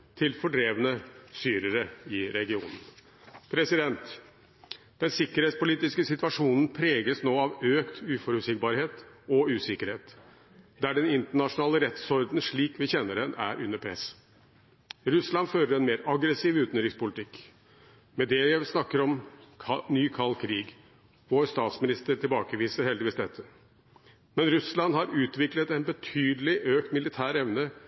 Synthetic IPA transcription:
t̪ʰɪlfɔɖɾeːʋənəst̪yːɾəɾəɪɾɛɡɪuːnən | pʰɾɛsɪd̪ɛnt̪ | d̪̥ɛnsɪkːəɾeːt̪spʊliːt̪ɪskəsɪt̪ʋɑʂuːnən̩pʰɾeːɡəsnoːɑʋøːkt̪ʉːfɔɾʉsɪk̚bɑːɾheːt̪ɔʉːsɪkəɾheːt̪ | d̪æɖɛnɪnt̪əɳɑʂʊnɑːləɾɛt̪sɔɾd̪n̩ʂɭiːkʋɪçɛnːəɖɛnʔæ̰ɾʔʉ̰nːəɾpʰɾɛ̰s | ɾʉslɑnføːɾəɾɛnmeːɾɑɡɾɛsiːʋʉːt̪nɾɪŋspʊlɪt̪ʰɪkː | mɛd̪ɛsnɑkːəɾɔmʰ | nyːkʰɑlːkʰɾiːɡ | ʋoːɾst̪ɑːt̪smɪnɪst̪əɾʈʰɪlbɑːkəʋiːsəɾhɛld̪ɪʋiːsd̪ɛt̪ʰːə | mɛnɾʉslɑnhɑɾʉːt̪ʋɪklət̪ɛɪnbət̪ʰyːd̪əlɪʔøːk̚t̪mɪlɪt̪ʰæːɾɛʋnə

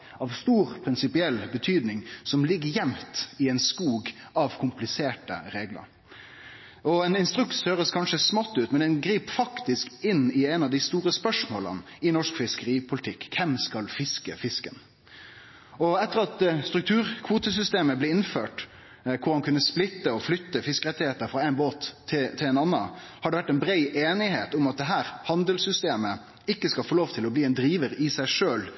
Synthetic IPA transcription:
ɑʋst̪uːɾpʰɾɪnsɪpɪɛlːbət̪ʰyːd̪nɪŋsɔmlɪɡːəjɛmt̪ɪɛɪnskuːɡ | ɑʋkʰʊmplɪseːʈə̰ɾeːɡlə̰ɾ | ɔɛnɪnst̪ɾʉkt̪shøːɾəskʰɑnʂəsmɑt̪ːʉːt̪mɛnɛnɡɾiːpfɑkt̪ɪskɪnɪɛnɑʋd̪ɪst̪uːɾəspœʂmo̰ːlə̰nɪnɔʂkfɪskəɾiːpʰʊlɪt̪ʰɪkʰːɛmskɑlfɪskə̰fɪskən | ɔɛt̪ːəʁɑt̪st̪ɾʉk̚t̪ʰʉːʁkʰʋuːt̪əs̬ʏst̪eːməblɛːɪnføːʈ | kʰʊɾhɑnkʰʉnːəsplɪt̪ːəɔflʏt̪ːəfɪskəɾɛt̪ːɪheːt̪əɾfɾɑæɪnboːt̪ʰːɪt̪ʰɪlɛɪnɑnːə̰ | hɑɖɛʋæʈːɛɪnbɾeɪʔeːnɪheːt̪ʊmɑt̪̚d̪ɛɦæːɾhɑnd̪əlsʏst̪eːmə | ɪkːəskɑlfoːloːʋt̪ʰɪlɔbliːɛnd̪ɾiːʋəɾɪsæɪʂøːl

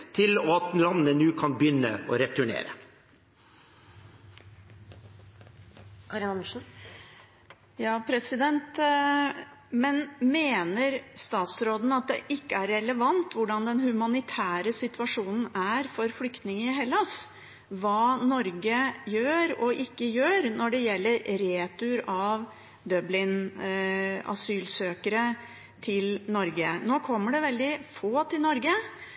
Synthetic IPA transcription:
t̪ʰɪlɔɑt̪̚lɑnənʉːkʰɑnbjʏnːə̰o̰ɾɛt̪ʉɳḛːɾə̰ | kʰɑɾɪnɑmʉʂn̩ | jɑːpʰɾɛsɪd̪ɛnt̪ | mɛnmeːnəɾst̪ɑːt̪sɾoːd̪nəɑt̪̚d̪ɛ̰ʔɪkːəæɾːɛləʋɑnt̪ʋʊɖɑnd̪ɛnhʉmɑnɪt̪ʰæːɾəsɪt̪ʋɑʂuːnn̩æɾfɔɾflʏkt̪nɪŋɪɦɛlːɑs | ʋɑːnɔɾɡəjøːɾɔʔɪkːəjøːɾnɔɖɛjɛlːəɾɾeːt̪ʉɾɑʋ | d̪œblɪn | ɑ̰syːlsøːkəɾə | t̪ʰɪlnɔɾɡənoːkʰɔmːəɖɛʋɛld̪ɪfoːt̪ʰɪlnɔɾɡə

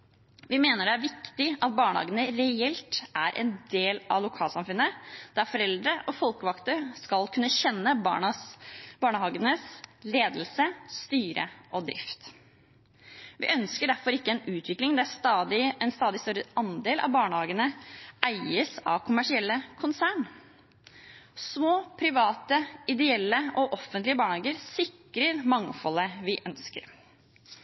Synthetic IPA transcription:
ʋɪmeːnəɖɛæɾʋɪkt̪ɪɑt̪̚bɑːɳəhɑ̰ːɡənəɾɛɛlt̪ʔæɾʔɛ̰nd̪eːlʔɑ̰ʋlʊkʰɑːlsɑmfʉnːəd̪̥æɾfɔɾɛld̪ɾəʔɔfɔlkəʋɑkt̪əskɑlkʰʉnːəɕɛnːəbɑ̰ːɳɑsb̥ɑːɳəhɑːɡənəsleːd̪lsəst̪yːɾə̰ʔɔd̪ɾɪ̰ft̪ | ʋɪ̰ʔœnskəɖæɾfɔɾɪkːəɛnʉːt̪ʰʋɪklɪŋd̪ɛæʂt̪ɑːd̪ɪɛnst̪ɑːd̪ɪst̪œɾəʔɑnd̪eːlʔɑ̰ʋbɑːɳəhɑːɡənəʔæɪəsɑ̰ʋkʰʊmæʂɪɛlːəkʰʊnsæːɳ | smoːpʰɾɪʋɑːt̪əɪd̪ɛɛlːəʔɔʔɔfːənt̪lɪəbɑːɳhɑːɡəɾsɪkɾəɾmɑŋfɔləʋɪʔœnskə̰ɾ

